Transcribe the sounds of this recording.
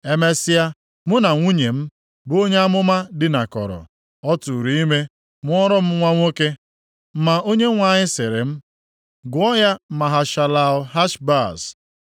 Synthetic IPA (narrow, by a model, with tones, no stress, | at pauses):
e˨me˦sɪ˦ja˦ | mʊ˦na˨ŋʷu˦ɲe˨m̩˦ | bo˦ɲe˦a˦mʊ˦ma˦dɪ˨na˨kɔ̰˨ɾɔ̰˨ | ɔ˦tu˨ɾi˦i˦me˦ | mʊ˦ɔ˦ɾɔ˦m̩˦ŋʷa˦ŋʷo˦ke˦ | m̩˦ma˨o˦ɲe˦ŋʷa˨ɲɪ˦sɪ˨ɾɪ̰˨m̩˦ | ɡʊ˨˦ɔ˦ja˦ma˨ɦa˨ʃa˨la˨ʊ˨ɦa˦ʃba˦˨s